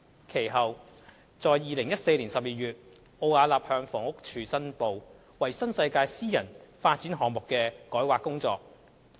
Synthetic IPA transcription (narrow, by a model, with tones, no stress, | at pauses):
kʰe˨˩jɦɐ˨w | t͡sɔː˨jːiː˨lɪ˨˩ŋjɐ˥t̚se˧jliː˨˩nsɐ˨p̚jiː˨˩jyː˨t̚ | ʔo˧waː˨˧laː˨p̚hœː˧ŋfɔː˨˩ŋʊ˥k̚t͡ʃʰyː˨˩sɐ˥npo˨w | wɐ˨˩jsɐ˥nsɐ˧jkaː˧jsiː˥jɐ˨˩nfaː˧t̚t͡siː˨˥nɦɔː˨ŋmʊ˨kːɛː˧kɔː˨˥jwaː˨kːʊ˥ŋt͡sɔ̰ː˧k̚